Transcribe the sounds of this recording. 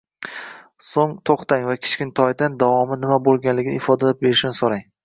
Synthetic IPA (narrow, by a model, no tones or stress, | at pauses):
soŋt̪ʰoχt̪aŋvakʲʰɪ̥t͡ʃkʲɪnt̪ʰɒjd̪and̪avɒmɪnɪmabolˠɡʲanlɪɡʲɪnɪɪfɒd̪alap̚be̞ɾɪʃnɪsoɾaŋ